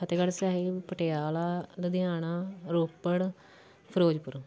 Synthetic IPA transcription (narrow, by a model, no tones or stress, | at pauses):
ət̪eːɡəɽsaːɦipəʈeːjaːlaːd̪əd̪ɪjaːnaːɾoːpːəɽ | pʰəɾoːd͡ʒpʊɾ